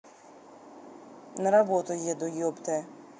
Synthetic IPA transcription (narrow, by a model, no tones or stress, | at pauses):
nɐɾɐbɔt̪ʊjɛd̪ɔjɔbt̪ɛ